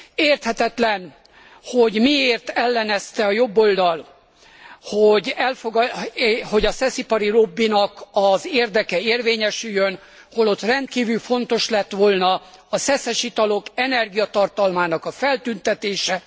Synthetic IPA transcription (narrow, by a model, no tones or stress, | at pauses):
eːrt̪hɛt̪ɛt̪lɛn | ho̞ɟmieːrt̪ɛlːɛnɛst̪ɛɒjo̞bːo̞ld̪ɒl | hoɟɛlfoɡ | ho̞ɟɒsɛsipɒɾiro̞bːinɒkɒzeːrd̪ɛkɛeːrveːɲɛʃyjːøn | ho̞lo̞t̪rɛnt̪̚kiːvylfo̞nt̪o̞ʃlɛt̪ʋo̞lnɒ | sɛsɛʃit̪ɒlo̞kɛnɛrɡijɒt̪ɒrt̪ɒlmaːnɒkɒfɛlt̪ynt̪ɛt̪eːʃɛ